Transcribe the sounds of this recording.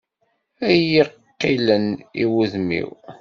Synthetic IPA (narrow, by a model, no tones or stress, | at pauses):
æjiqːiləniwuðmḭw